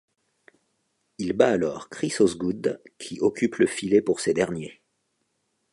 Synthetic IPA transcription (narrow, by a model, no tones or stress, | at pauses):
ilbaːlɔʁkχisozɡud̪kʲʰiʔɔkʲypləfilepuʁsed̪ɛʁnje